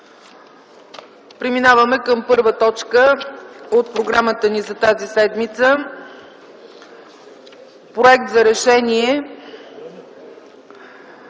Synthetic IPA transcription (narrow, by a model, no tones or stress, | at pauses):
pɾiminavəmɛkəmpɤɾvət̪ɔt͡ʃkə | ot̪̚pɾoɡɾamət̪ənizɐt̪azisɛd̪mit̪sə | pɾoɛk̚t̪zɐɾɛʃɛniɛ